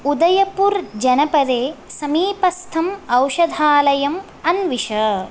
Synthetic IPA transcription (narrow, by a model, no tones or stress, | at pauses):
ud̪ɐjɐpuɾd͡ʒɐnɐpɐd̪eːsɐmiːpɐst̪ʰɐmɐwʃɐd̪ʱaːlɐjɐm | ɐnʋiʃɐ